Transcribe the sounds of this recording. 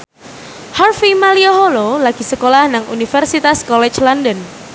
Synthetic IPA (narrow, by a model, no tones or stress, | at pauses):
harfimalioɦololaɡ̥isəkolahnaŋʔunifərsit̪askɔlɛt͡ʃlɔndən